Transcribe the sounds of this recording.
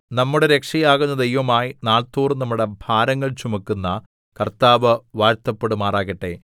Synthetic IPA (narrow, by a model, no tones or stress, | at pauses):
nɐmːuɽeɾe̞kʂɐjaːɣunːɐd̪ɐjʋɐmaːjinaːɭt̪uːrnɐmːuɽe̞bʱaːɾɐŋːɐɭt͡ɕumɐkːunːɐ | kɐrt̪aːʋɨʋaːɾt̪ɐpːe̞ɽumaːraːɣiʈːe̞̰